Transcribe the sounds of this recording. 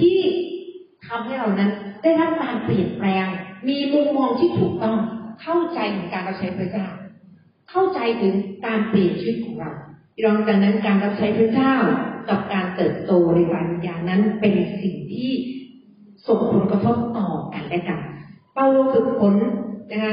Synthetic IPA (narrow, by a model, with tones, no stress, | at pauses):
t̪ʰiː˥˩ | t̪ʰa˧mha˥˩jɾaː˨˩wna˦˥ndaː˥˩jɾa˦˥p̚kaː˧npli˨˩ən̚plɛː˧ŋmiː˧lu˧˥ŋmɔː˧ŋt̪ʰiː˥˩t̪ʰuː˨˩k̚t̪ɔ˥˩ŋkʰa˥˩wt͡ɕa˧jt̪ʰɯː˩˦ŋkaː˧nɾa˦˥p̚t͡ɕʰa˦˥jpʰɾa˦˥˩t͡ɕaː˥˩w | kʰa˥˩wt͡ɕa˧jt̪ʰɯ˩˦ŋkaː˧npli˨˩ən̚t͡ɕʰɯ˦˥t̪̚kʰɔː˩˦ŋɾa˧w | jɔː˧ŋt͡ɕaː˨˩k̚na˦˥nkaː˧nɾa˦˥p̚t͡ɕʰa˦˥jpʰɾɯː˥˩t͡ɕaː˥˩wka˨˩p̚kaː˧nt̪ɤː˨˩t̪̚t̪oː˧ɾa˧˩baː˧n̚˧˩jaː˧˩ŋna˦˥npe˧nsi˨˩ŋt̪ʰiː˥˩ | so˨˩ŋpʰo˨˩˦nkɾa˧t̪ʰo˦˥p̚t̪ɔː˨˩ka˧nla˦˥˩jka˧n | pa˧wo˧sɯ˨˩k̚pʰo˩˦nna˦˥kʰa˦˥